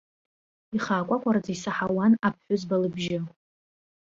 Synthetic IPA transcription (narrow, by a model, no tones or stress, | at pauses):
iχaːkʷʼakʷʼard͡zaisaħawanap̚ʰħʷᶣʊzbalɨbʒɪ